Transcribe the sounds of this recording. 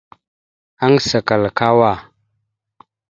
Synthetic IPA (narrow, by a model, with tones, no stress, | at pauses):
a˦nsa˨ka˨lka˦wa˦˨